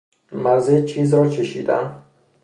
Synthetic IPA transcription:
mæzet͡ʃʰiːzɾɒːt͡ʃʰeʃḭːd̪æ̰m

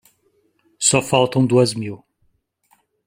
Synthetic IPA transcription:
sɔfalˠt̪ɐ̃w̃d̪uɐzmiw

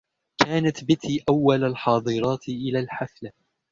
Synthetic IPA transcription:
kʰaːnat̪bɪt̪iːʔawːalalħɑːd̪ˤɨɾˤɑːt̪ʔɪlaːlħaθla

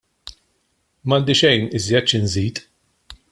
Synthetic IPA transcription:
mɐnd̪ɪʃɛjnɪzjɛt̪ːt͡ʃɪnziːt̪

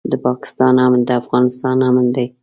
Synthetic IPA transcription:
d̪əpɑkɪ̥st̪ɑnamnd̪əafɣɑnɪst̪ɑnɑmənd̪aj

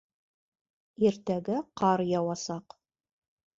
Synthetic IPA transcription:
iɾt̪æɡɘqɑɾjɑwɑsɑq

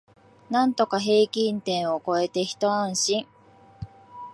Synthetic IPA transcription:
nãnt̪o̞kaɦe̞ːkʲĩnt̪ẽ̞ɰ̃oko̞e̞t̪e̞çi̥t̪o̞ãɰ̃ɕĩŋ

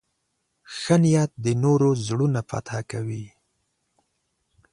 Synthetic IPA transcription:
xənɪjat̪̚d̪ənoɾozɽunafa̰t̪hakawi

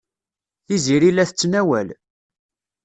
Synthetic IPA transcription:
θiziɾilːæθət͡sːnæwæl

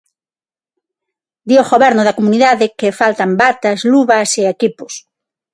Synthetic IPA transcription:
d̪ioɣoβɛɾnʊðakomuniðaðɪkefalt̪ambat̪azluβɐseekipʊ̥s

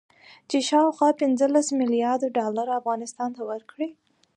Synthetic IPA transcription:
t͡ʃeʃɑwxwɑpɪnzəlasmɪlijɑɾd̪ʊɖɑlaɾaafɣɑnɪst̪ɑnt̪awəɾkɽi

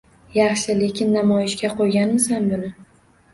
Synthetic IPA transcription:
jɑχʃɪle̞kʲɪnːamɒjɪʃkʲaqʰojɡʲanmɪsanbʊnɪ

